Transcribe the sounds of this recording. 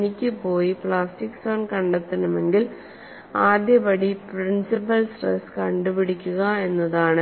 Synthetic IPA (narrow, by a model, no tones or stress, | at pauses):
nikʲːɨpːo̞ːjipɭaːsʈikːsoːnkɐɳɖet̪ːɐnɐme̞ŋɡil | aːd̪jɐbɐɽipɾinsipɐlsrḛskɐɳɖupiɽikʲːuɣɐe̞nːɐðaːɳɨ